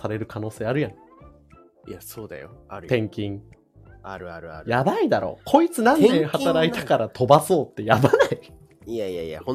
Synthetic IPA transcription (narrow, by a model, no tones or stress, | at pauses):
saɾe̞ɾɯ̟kano̞ːse̞ːaɾɯ̟jã | jasoːd̪a̰jo̰ɾt̪ẽ̞ŋkʲĩŋ | aɾɯaɾɯa̰ɾjabaid̪aɾo̞̰ːkʰo̞it͡sɨnãnk̪ẽhat̪aɾait̪akaɾat̪ʰo̞baso̞ːt̪ːe̞jabanai | jaja̰jã̰